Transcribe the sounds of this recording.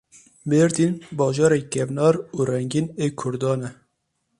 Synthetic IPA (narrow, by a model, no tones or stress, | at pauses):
beːɾd̪iːnbɑːʒɑːɾekɛvnɑːɾuːɾɛŋɡineːkʰʊɾd̪ɑːnɛ